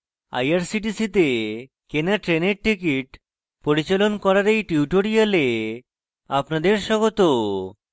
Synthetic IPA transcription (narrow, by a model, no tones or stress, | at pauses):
a̰jaɾsiʈisit̪e | kenaʈɾeneɾʈikiʈ | poɾit͡ɕelonkɔɾaɾejʈiuʈoɾijale | apnad̪eɾʃɔɡot̪o